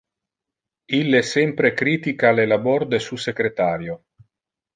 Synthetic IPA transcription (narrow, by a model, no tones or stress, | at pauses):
ilːesɛmpɾekɾiːt̪ikalelabɔɾd̪esusekɾet̪aːɾjo